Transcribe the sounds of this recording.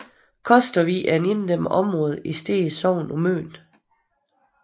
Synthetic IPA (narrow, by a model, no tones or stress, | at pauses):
kʰɒ̽sd̥ɐʋiʔæne̝nd̥em̰əʔɒ̽mʁɔ̽ːð̞̩ˠʔisd̥e̝̰ːsɒʊ̰nɒmø̰ːn